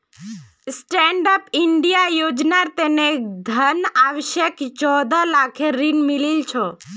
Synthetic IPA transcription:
sʈɛɳɖəpɪɳɖijajod͡ʒnaɾt̪ened̪ʱənaʋəʃjekt͡ʃɔd̪alakʰeɾinmililt͡ʃʰɔ

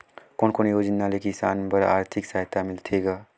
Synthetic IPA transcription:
koːnkonjoːd͡ʒənːalekisaːnpəɾa̰ːɾt̪ʰɪksaɦt̪amɪlt̪ʰeɡa

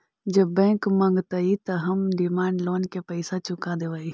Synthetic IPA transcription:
d͡ʒɐbɛ̃ːŋkmɐ̃ŋɡt̪ɐit̪ɐɦɐmɖɪmaːɳɖloːnkepəɪsat͡ʃʊkad̪eʋəːi

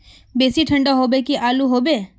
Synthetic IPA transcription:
beːsiʈʰə̃ɳɖaɦoːbekiʔaːluɦoːbe

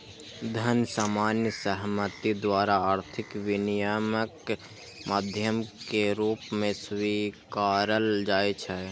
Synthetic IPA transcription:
d̪ʱənsaːmaːnjəsəɦmət̪id̪ʋaːɾaaːɾt̪ʰɪkʋinijamək | maːd̪ʱjəmkeɾuːpmẽsʋikaːɾəld͡ʒaːet͡ʃʰɛ

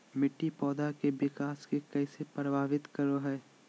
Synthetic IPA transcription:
mɪʈːipɔːd̪akebɪkaːskekɛːsepɾəbʱaːʋɪt̪kɐɾoɦɛː

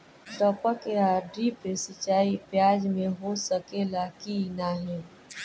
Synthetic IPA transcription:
ʈɔːpəkeaːɾɖipesɪt͡ʃaːipjaːd͡ʒmẽɦosəkelakinaɦɛ̃ː

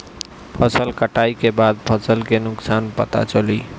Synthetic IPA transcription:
pʰəsəlkəʈaikebad̪̚pʰəsəlkenʊksanpət̪a̰t͡ʃəli

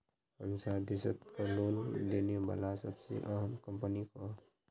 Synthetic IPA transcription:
həmsaɾd̪ɪsət̪kaloːnd̪eːneʋa̰ːlasəbsḛʔəɦəmkəmpəniko

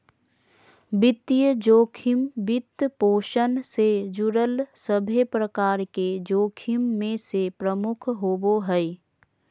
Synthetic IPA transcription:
bɪt̪ːijəd͡ʒoːkʰɪmbɪt̪poːʃənsed͡ʒʊɾəlsəbʱepɾəkaːɾked͡ʒoːkʰimːẽsepɾəmʊkʰɦoboɦɛi

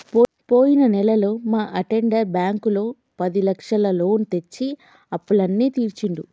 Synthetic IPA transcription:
p | po̞ːjinɐnɛlɐloːmaːʔɐʈeɳɖɐɾbjaːŋkulo̞ː | pɐd̪ilɐkʂɐlɐlo̞ːnt̪e̞t͡ʃːi | ɐpːuɭɐnːiːt̪iːɾt͡ʃiɳɖ̪u

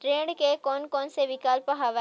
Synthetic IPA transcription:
ʈɾẽːɳɖkekɔːnkɔːnseʋɪkaːlpɐɦaʋɛ

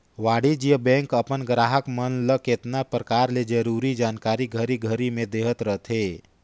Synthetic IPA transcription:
ʋaːɽid͡ʒijəbɛ̃ŋkəpənɡɾaːɦəkmənləket̪napɾəkaːɾled͡ʒəɾuɾid͡ʒaːnkaɾiɡʱəɾiɡʱəɾimẽd̪eɦət̪ɾəɦt̪ʰɦe

